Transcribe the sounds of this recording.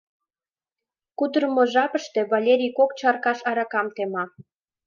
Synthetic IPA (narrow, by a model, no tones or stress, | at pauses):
kud̪ɾəmoʒɑpəʃt̪e̽βalʲeɾʲijkokt͡ɕɑrkɑʃɑɾɑkɑmt̪emɑ